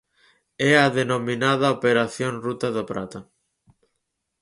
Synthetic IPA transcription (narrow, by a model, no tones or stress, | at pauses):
ɛaðenominaðaopeɾaθjoŋrut̪aðopɾa̰t̪ɐ